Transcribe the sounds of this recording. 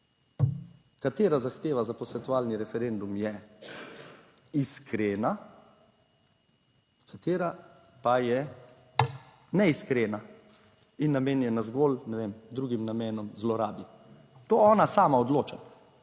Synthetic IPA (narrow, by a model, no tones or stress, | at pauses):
kat̪eːɾazaxt̪eːʋazapɔsɛt̪uaːlniɾɛfɛɾend̪umjɛ | iskʰɾeːna | kʰat̪eːɾa | pajɛ | nɛiskɾeːna | inːameːnjɛnazɡolnɛʋemd̪ɾuːɡimnameːnɔmzlɔɾaːbi | t̪oːɔːnasaːmaɔd̪loːt͡ʃa